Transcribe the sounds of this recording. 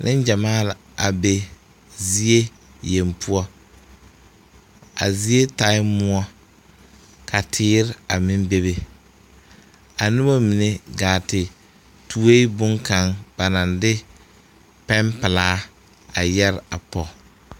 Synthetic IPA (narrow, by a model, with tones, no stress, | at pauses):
nʔɪ˦nd͡ʒa˨maː˦la˨ | a˨be˨ | zi˦e˦ | je˨mpʰʊ˦ɔ˦ | a̰˨zi˦e˦ta˨˦ɪː˦ʊ˦ɔ˦ | kʰa˨tʰɪː˦ɾɪ˦a˨mɪ˦mbe˦βe˦ | a˨nʊ˦ba˦mi˨ne˨ɡaː˨tɪ˨ | tu˨e˦i˦bʊ˦ŋka˨˦ŋba˨na˨ndɪ˦ | pɛ˦mpɪ˨laː˦ | a˨jɛ˦ɾa˨pɔ˨